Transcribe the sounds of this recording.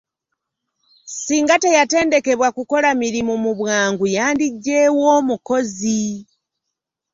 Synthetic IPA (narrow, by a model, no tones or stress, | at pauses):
siːŋɡate̞jate̞ːnde̞ke̞βwakuko̞lamiɾimumuβwaːŋɡujaːndiɟːeːwo̞ːmuko̞zi